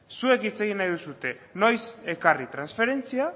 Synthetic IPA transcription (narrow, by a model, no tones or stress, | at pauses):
sue̞kit͡se̞ɣ̞inajðusut̪e̞ | no̞jse̞karit̪ɾansfe̞ɾe̞nt͡sia